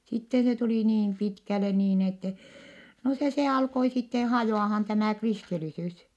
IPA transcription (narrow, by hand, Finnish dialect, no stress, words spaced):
sitːe se tuliˑ niːn pitkæle niːn etːɛ no se se ɑlkoi sitːe hɑjoˑɑhɑn tæmæˑ kristilisys